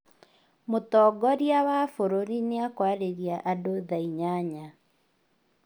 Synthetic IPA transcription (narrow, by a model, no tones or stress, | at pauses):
motɔːɡɔɾjawafoɾoɾineakwaɾeɾjaʔadoðaiɲaɲa